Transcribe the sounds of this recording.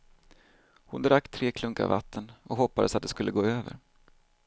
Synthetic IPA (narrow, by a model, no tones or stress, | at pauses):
hʊnd̪ɾakːt̪ʰɾeːkʰlɵŋka̰va̰t̪ʰːənɔkhɔpːad̪əsat̪̚d̪ɛskɵlːəɡoːøːvə̰ɾ